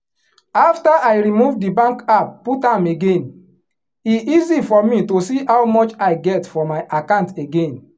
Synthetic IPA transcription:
aftaʔajɹimuvdibãŋkapːutãmeɡẽn | iizifɔmitosihawmɔt͡ʃaɪɡɛtfɔmaɪʔakãnteɡẽn

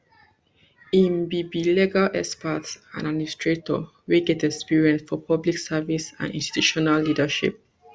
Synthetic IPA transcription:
ĩnbibilɛɡalʔɛspətsã̰naistʰɹetɔ̰ | weɡɛtɛkspiɹiɛ̃nsfɔpʰɔbliksavisã̰nḭ̃nsti̥tʰuʃɔnalːidəʃḭp̚

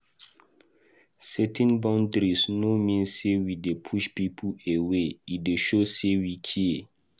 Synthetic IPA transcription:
sɛtʰɛ̃nbãʊ̃ndɾisnomĩnssewidepʰuʃpipʰueweideʃosewikʰie

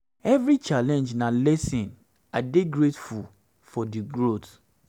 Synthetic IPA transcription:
ɛvɾit͡ʃalɛ̃nd͡ʒnalɛsĩn | adeɡɹetful | fɔdiɡɹot

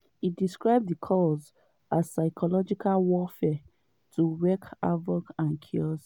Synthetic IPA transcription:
idiskɹaɪb̚ðikʰɔz | azsaɪkʰɔlɔd͡ʒikʰalwɔfɛ | tʰuwɛka̰vɔɡãnkʰiɔs

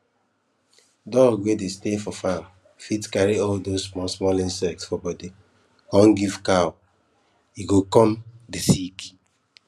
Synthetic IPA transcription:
dɔlwedestefɔfãm | fitkaɹiɔldozmɔsmɔlĩnsɛk̚tsfɔbɔdi | kɔ̃nɡivkaʊ | iɡokɔ̃mdesiki̥

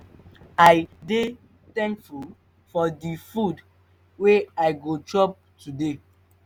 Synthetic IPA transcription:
aɪde | tɛ̃ŋkfu | fɔdifud | weaɪɡot͡ʃɔp̚ | tude

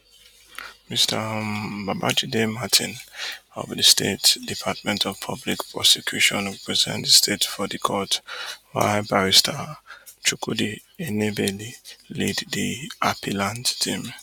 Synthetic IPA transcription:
mistʰəbabad͡ʒidematʰḭ̃nɔ̰vdəstʰḛtdipʰatmɛ̃ntʰɔv̥pʰʌblikpʰɹɔsɛkʰjuʃɔ̃nɹɛpʰɹɛzɛ̰̃ntdstʰetfɔdikʰɔtwa̰baɹistʰat͡ʃukʰudi | enebeliliddiapʰilãnttʰĩm

